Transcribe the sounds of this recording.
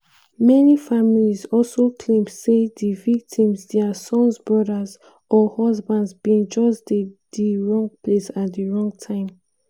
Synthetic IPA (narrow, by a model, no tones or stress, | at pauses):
mɛnifamilizɔlsokʰlẽmsedivik̚tʰĩmzdɛasɔ̃nsbɹɔdəz | ɔhɔzbãndzbĩnd͡ʒɔsdediɹɔ̃ŋɡpʰlesatdiɹɔ̃ŋɡtʰãɪ̃m